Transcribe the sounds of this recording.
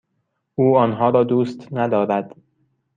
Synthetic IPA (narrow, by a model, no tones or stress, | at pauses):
ʔuːɒːnɦɒːɾɒːd̪uːst̪ʰnæd̪ɒːɾæd̪̥